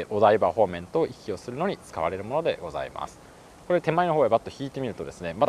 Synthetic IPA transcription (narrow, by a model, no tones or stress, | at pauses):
ʔo̞d̪aibaɸo̞ːmẽ̞nt̪oːʔikʲːio̞sɨɾɯ̟no̞ɲ̟it͡sɨ̥ka̰βa̰ɾe̞ɾɯ̟mo̞no̞d̪e̞ɡo̞za̰ḭma̰sɨ̥ | ko̞ɾe̞t̪e̞maino̞ɦo̞ːebat̪ːo̞çiːt̪e̞mʲiɾɯ̟t̪o̞d̪e̞sɨne̞mad̪